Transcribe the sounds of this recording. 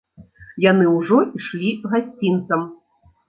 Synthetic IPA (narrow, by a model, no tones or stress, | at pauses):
janɨwʐɔiʂlʲiɣasʲt͡sʲint̪sɐm